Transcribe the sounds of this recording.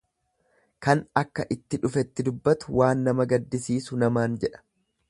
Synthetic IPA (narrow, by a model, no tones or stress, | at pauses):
kɐnɐkːɐʔɪt̪ːɪᶑʊfɛt̪ːɪd̪ʊbːɐt̪ʊ̥waːnːɐmɐɡɐd̪ːɪsiːsʊnɐmaːnd͡ʒɛᶑɐ̥